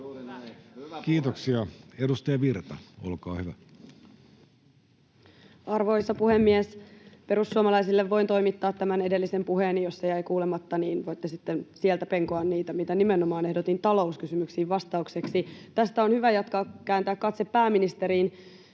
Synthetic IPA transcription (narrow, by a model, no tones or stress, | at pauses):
kiːt̪oksiɑedust̪ɑjɑʋirt̪ɑ̰olkɑ̰ːhyʋæ̰ | ɑrʋo̞jsːɑpuhemːiespeɾusːuɑmɑlɑjsilːeʋːo̞int̪o̞jmit̪ːɑːt̪ːæmæne̞de̞lːise̞mpuɦeːnːijosːejæjkuːlemɑt̪ːɑniːnʋojt̪ːesit̪ːensielt̪æpe̞ŋkoɑnniːt̪æmit̪ænimenomɑːne̞hdot̪int̪ɑlo̞uskysymyksiːʋʋɑst̪ɑukse̞ksit̪æst̪æonhyʋæjɑt̪kɑkæːnt̪æːkkɑt̪sepːæːmːinist̪e̞ɾiːn